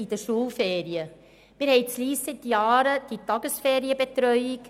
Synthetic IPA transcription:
idəʃuːlfɛːɾiə | mɪːɾhɛɪt͡sliːssɪtjɑːɾəd̥itɑɡəsfeːɾiəbet̪ɾœʏik

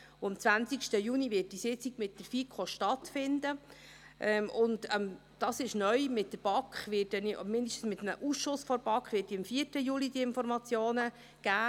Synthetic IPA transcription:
ʊɑmt͡svænt͡sikʃtəjuːniʋɪːt̚d̥isɪt͡siɡ̥mɪt̚d̥əɾfikʰoʃtɑtfɪndə | ʔɛmʊndəm | d̥ɑsɪʃnœʏmɪt̚dəb̥ɑkχʋɪtdɛnmɪndəʃtn̩smɪt̪əmə̰ʔusʃʊsfɔɾb̥ɑkχʋɪːt̚dimfiərtəjulidiɪnfɔɾmɑt͡sjoːnə | ɡ̥æː

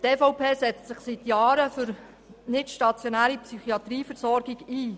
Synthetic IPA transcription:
tɛːfɔʊpʰeːsɛt͡stsɪχsit̪jɑːɾəfʏɾ | nɪtʃtɑt͡sjonæːɾipsyχiɑt̪ɾiːfɛɾsɔɾɡɪɡiː

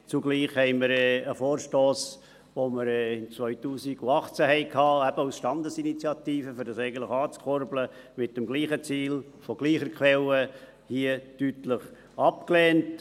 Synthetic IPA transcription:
t͡suɡliːχhɛɪməɾɛəfoːɾʃtoːs | ʋoməɾɛɪnt͡sʋœʏtuːsiɡ̥uɑχt͡sæhɛɪkʰhɑːæb̥əusʃtɑndəsinit͡sjɑtiːfəfʏɾdɑsɛɪɡən̩tləxɑːt͡skʰɔɾblə | mɪt̚dəmɡliːχət͡siːl | fɔɡ̥liːχəɾkχʋɛlə | hiətytləχ | ɑpklɛːnt

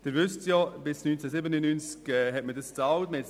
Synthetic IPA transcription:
d̥ɪɾvʏstjɔb̥ɪsnynt͡sɛsɪbənənːynt͡skɛɦɛtmədəst͡sɑwtməhɛt

